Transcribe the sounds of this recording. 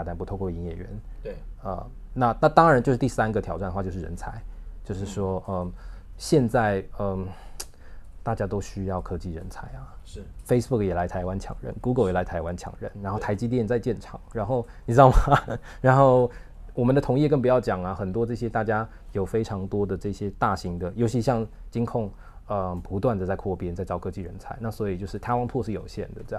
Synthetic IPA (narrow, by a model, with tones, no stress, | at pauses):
t̪a˧˥npu˧t̪ʰkwɔ˥˩i˧ŋjɛ˥˩ɥɛ̰˧˦nə̰˩ | na˥˧na˥˩t̪ɑ˥ŋɻa˧˥nt͡ɕjo˥˧ʂ̩˥˩t̪i˥˩sa˥nɡə˨t̪ʰjɑ˨˩ʊʈ͡ʂa˥˧d̪ə˧wt͡ɕjʊʂɻ̩˥˩ɻə̰˧˦nt͡sʰa˧˦ɪt͡ɕjo˥˧ʊʂ̬ɻ̩˥˩ʂwɔ˥ə˩ɕjɛ˥˧nt͡sa˥˩ɪə˩m | t̪a˥˩t͡ɕja˥t̪o˥ʊɕy˥jɑ˥˩ʊkʰɤ˥t͡ɕi˥ɻə̰˧˥nt͡sʰa˧˥˦ɪɐ˨fe˥ɪsbu˥˩kjɛ˨˩la˧˦ɪt̪ʰa˧ɪwa˦nt͡ɕʰjɑ̰˨˩ŋɻə̰˥˩nku˥ɡə˨˩lˠjɛ˨˩la˧˥ɪtʰa˧˥ɪwa˦nt͡ɕʰjɑ̰˨˩ŋɻə̰˥˩nɻa˧˥nxo˥˩ʊt̪ʰa˧˥ɪt͡ɕi˥t̪̬jɛ˥˧nt͡sa˥˧ɪt͡ɕjɛ˥˩nʈ͡ʂʰɑ˨˩˦ŋɻa˧˥nxo˥˩ʊni˨˩ʈ͡ʂɻ̩˥t̪ma˨ | ɻa˧˥nxo˥˩ʊ | wɔ˨˩mə˨nd̪ə˩t̪ʰʊ˧˥ŋjɛ˥˩kə˥˩np̬u˧˥jɑ˥˩ʊt͡ɕjɑ˨˩ŋɐ˨xə˨˩nt̪wɔ˥ʈ͡ʂɤ˥˩ɕjɛ˥t̪a˥˩t͡ɕja˥ | jo˨˩ʊfe˥ɪʈ͡ʂʰɑ˧˥ŋt̪wɔ˥d̪ə˨ʈ͡ʂɤ˥˩ɕjɛ˦˥t̪a˥˩ɕi˧˥ŋd̪ə˨jo˧˥ʊt͡ɕʰi˧ɕjɑ˥˩ŋ | t͡ɕi˥ŋkʰo˥˩ŋ | ə˧pu˧˥t̪wa˥˩nd̪ə˩t͡sa˥˩ɪkʰɔ˥pjɛ˥nt͡sa˥˩ɪʈ͡ʂɑ˥ʊkʰɤ˥t͡ɕi˥˩ɻə˧˥nt͡sʰa˧˥˦ɪna˥˩swɔ˧˥i˨˩t͡ɕjo˥˧ʊʂ̩˥˩t̪ʰa˧˥ɪwa˥npʰɔ˥˧ʂɻ̩˥˩jo˨˩ʊɕjɛ˥˩nd̪ə˨˩ʈ͡ʂə˥˩jɑ̰˩ŋ